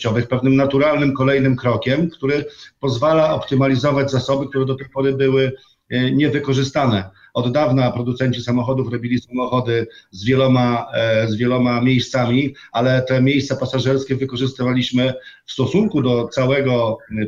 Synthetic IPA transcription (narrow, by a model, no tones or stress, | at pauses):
ɔvɘxpɛvnɘmnat̪uɾalnɘmkɔlɛjnɘmkɾɔkʲɛmkt̪uɾɛpɔzvalaɔpt̪ɘmalʲizɔvad͡ʑzasɔbɘk̚t̪uɾɛd̪ɔt̪ɛjpɔɾɘbɘwɘ | ɲɛvɘkɔʐɘst̪anɛ | ɔd̪ːavnapɾɔd̪ut̪sɛɲt͡ɕisamɔxɔd̪ufɾɔbʲilʲisamɔxɔd̪ɘzvʲjɛlɔmazvʲjɛlɔmamʲejst̪samʲi | alɛt̪ɛmʲejst̪sapasaʐɛɾskʲɛvɘkɔʐɘst̪avalʲiɕmɘfst̪ɔsuŋkud̪ɔt̪sawɛɡɔ